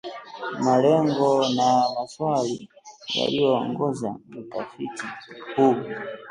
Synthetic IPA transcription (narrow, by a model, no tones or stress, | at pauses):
malɛŋɡɔnamaswali | ja̰lijɔɔŋɡɔza̰mutafitikuɓwa